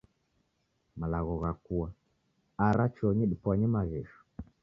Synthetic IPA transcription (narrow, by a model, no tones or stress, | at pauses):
malaɣɔɣakua | aɾat͡ʃɔɲɛɗipwaɲɛmaɣɛʃu̥